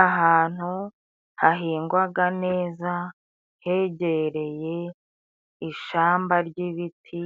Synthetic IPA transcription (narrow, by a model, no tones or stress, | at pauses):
aɦaːn̥hu | haɦiːŋɡwaɡane̞ːza | he̞ɟeɾe̞je̞ | iʃaːmbaɾɟiβitʰi